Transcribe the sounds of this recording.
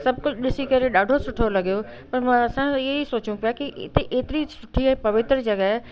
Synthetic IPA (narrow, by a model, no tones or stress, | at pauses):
sɐb̚ʱkʊd͡ʑɗɪsikɐɾeɗaːɖʱosʊʈʰolɐɠijopɐɾmãɐsãɪɦeisoːt͡ɕũpijakiɪ̰t̪eʔeːt̪ɪɾisʊʈʰiɛ̃ːpɐʋɪt̪ɾəd͡ʑɐɠaɦɛe